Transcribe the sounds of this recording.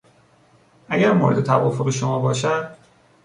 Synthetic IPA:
ʔæɟæɾmo̰ːɾed̪e̞t̪ʰævɒːfoɣe̞ʃomɒːbɒːʃæd̪̥

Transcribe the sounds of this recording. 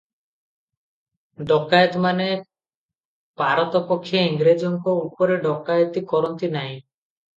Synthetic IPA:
ɖɔkajɔt̪mane | paɾɔt̪ɔpɔkʰːijeiŋɡɾed͡ʒɔŋkɔupɔɾeɖɔkajɔt̪ikɔɾɔnt̪inaɦĩ

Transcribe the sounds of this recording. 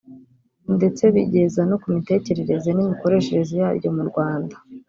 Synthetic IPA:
nde̞t͡se̞βḭɟe̞zanokumite̞ːce̞ɾe̞ɾe̞zenimiko̞ɾe̞ʃe̞ɾe̞zijaːɾjo̞muɾɡwaːndḁ

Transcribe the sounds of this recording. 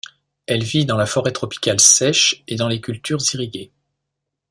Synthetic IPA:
ɛlvid̪ɑ̃lafɔʁɛt̪χɔpi̥kʲalsɛʃed̪ɑ̃lekʲylt̪yʁziʁiɡʲe

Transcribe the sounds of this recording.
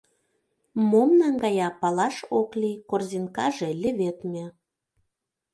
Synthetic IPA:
momnɑŋɡɑjɑpɑlɑʃoklikorzinkɑ̰ʒĕlʲɘ̆βet̪mʲe

